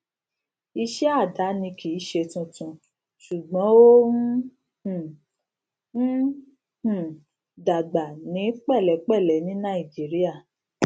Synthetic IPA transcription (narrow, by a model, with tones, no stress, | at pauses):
i˧ʃɛ˦a˦˨da˨˦nĩ˧kʰi˨˦ʃe˧tũ˧tũ˨ | ʃu˨ɡ͡bɔ̃˨˦o˦ | hũ˨˦ | hũ˨ | da˨ɡ͡ba˨nĩ˨˦k͡pɛ˦˨lɛ˨˦k͡pɛ˦˨lɛ˨˦nĩ˨˦nã˦˨i˨d͡ʒi˨˦ɾi˦a˦˨